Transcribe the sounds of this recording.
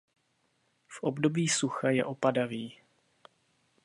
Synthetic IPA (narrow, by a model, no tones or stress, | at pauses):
fʔobdo̞biːsuxajɛ̰ʔo̞padaviː